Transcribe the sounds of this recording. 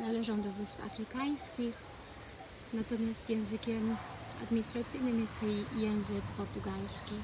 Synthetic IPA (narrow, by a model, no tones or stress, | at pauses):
nalɛʐɔ̃w̃d̪ɔvɘspa̰fɾɘkaj̃skʲix | nat̪ɔmʲjast̪jɛ̃w̃zɘkʲɛm | a̰d̪mʲiɲist̪ɾat̪sɘjnɘmjɛst̪ɔjɛw̃zɘkpɔɾt̪uɡalskʲi